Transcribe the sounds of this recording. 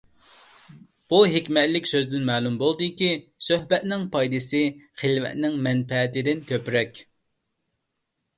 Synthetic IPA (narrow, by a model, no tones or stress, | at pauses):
b̥uɦekʲmɛt̪lɪkʲsøzd̪ɪnmɛːlˠumbolˠd̪ɨkʲisøɦbɛt̪nɪŋpʰɑjd̪ɨsɨχelvɛ̰t̪nɪŋmɛnpɛːt̪ɪd̪ɪnkʲʰøpɾɛkʲ